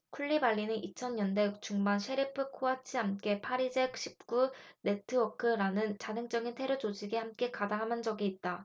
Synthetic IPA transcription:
kʰuɭːibaɭːinɯnʔit͡ɕʰʌnɲʌnde̞t͡ɕuŋbanɕʰe̞ɾipʰɯkʰoat͡ɕʰiɦamk͈e̞pʰaɾid͡ʑekɕ͈ʰip̚k͈une̞tʰɯʌkʰɯɾanɯnt͡ɕadɯŋt͡ɕ͈ʌɡintʰe̞ɾut͡ɕod͡ʑiɡehamk͈e̞kadaɦamɯnd͡ʑʌɡiːt̚t͈a

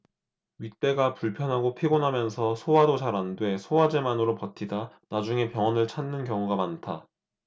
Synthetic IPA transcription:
ɥit͈̚e̞ɡapuɭpʰjʌnɦaɡopʰiɡonɦamjʌnsʰʌsʰowadot͡ɕaɾandwe̞sʰowad͡ʑe̞manɯɾopʌtʰida | nad͡ʑuŋe̞pjʌŋʌnɯɭt͡ɕʰanːɯnkjʌŋuɡamantʰa

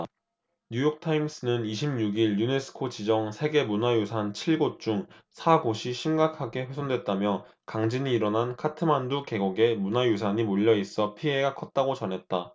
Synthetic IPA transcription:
ɲujʌk̚tʰaims͈ɯnɯniɕʰimɲuɡiɭːune̞sʰɯ̥kʰot͡ɕid͡ʑʌŋsʰe̞ɡe̞munajusʰant͡ɕʰiɭɡot͡ɕ͈uŋ | sʰaɡoɕʰiɕʰimɡakʰaɡe̞ɸwe̞sʰondwe̞t̚t͈amjʌ | kaŋd͡ʑiɲiːɾʌnɦankʰatʰɯmanduke̞ɡoɡe̞munajus̬ʰaɲimoʎːʌis͈ʌpʰie̞ɡakʰʌt̚t͈aɡot͡ɕʌnɦe̞t̚t͈a

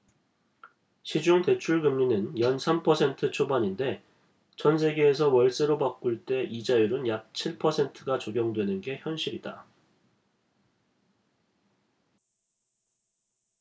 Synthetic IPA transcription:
ɕʰid͡ʑuŋte̞t͡ɕʰuɭɡɯmɲinɯnjʌnsʰampʰʌsʰe̞ntʰɯt͡ɕʰobaɲinde̞ | t͡ɕʌns̬ʰe̞ɡe̞ːsʰʌwʌɭs͈eɾopak͈uɭt͈e̞ʔid͡ʑajuɾɯnjak̚t͡ɕʰiɭpʰʌsʰe̞ntʰɯɡat͡ɕoɡjʌŋdwe̞nɯnɡe̞çjʌnɕ͈ʰiɾid̥a̰

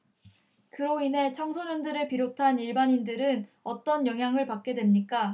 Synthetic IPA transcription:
kɯɾoine̞t͡ɕʰʌŋsʰoɲʌndɯɾɯɭpiɾotʰaniɭbaɲindɯɾɯnʌt͈ʌnjʌŋɦjaŋɯɭpak̚k͈e̞dwe̞mɲik͈a

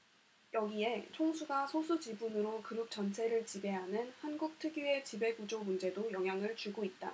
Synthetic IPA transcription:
jʌɡie̞t͡ɕʰoŋsʰuɡasʰosʰud͡ʑibunɯɾokɯɾup̚t͡ɕ͈ʌnt͡ɕʰe̞ɾɯɭt͡ɕibe̞ɦanɯnhanɡuk̚tʰɯɡue̞t͡ɕibe̞ɡud͡ʑomund͡ʑe̞dojʌŋɦjaŋɯɭt͡ɕuɡoit̚t͈a̰

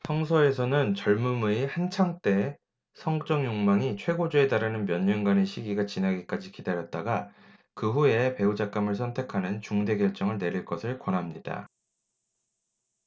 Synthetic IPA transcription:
sʰʌŋsʰʌe̞sʰʌnɯnt͡ɕʌɭmumuihant͡ɕʰaŋt͈e̞ | sʰʌŋt͡ɕ͈ʌŋjoŋmaŋit͡ɕʰwe̞ɡod͡ʑue̞taɾanɯnmjʌɲːʌŋɡwaneɕʰiɡiɡat͡ɕinaɡik͈ad͡ʑikidaɾjʌt̚t͈aɡa | kɯɸue̞pe̞ud͡ʑak͈amɯɭs̬ʰʌntʰe̞kʰanɯnt͡ɕuŋde̞ɡjʌɭt͡ɕ͈ʌŋɯɭne̞ɾiɭk͈ʌsʰɯɭkwʌnɦamɲida̰

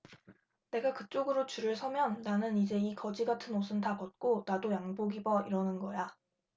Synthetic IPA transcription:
ne̞ɡakɯt͡ɕ͈oɡɯɾot͡ɕuɾɯɭsʰʌmjʌnːanɯnid͡ʑe̞ikʌd͡ʑiɡatʰɯnos̬ʰɯntapʌt̚k͈onadojaŋboɡibʌiɾʌnɯnɡʌja

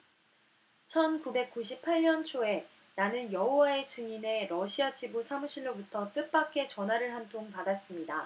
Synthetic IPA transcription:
t͡ɕʰʌnkube̞k̚k͈uɕ̬ʰipʰaɭɲʌnt͡ɕʰoe̞ | nanɯnjʌɦowae̞t͡ɕɯŋine̞ɾʌɕʰiat͡ɕibusʰamuɕʰinːobutʰʌt͈ɯp͈ak͈ʰe̞t͡ɕʌnɦaɾɯɭɦantʰoŋpadas͈ɯmɲida

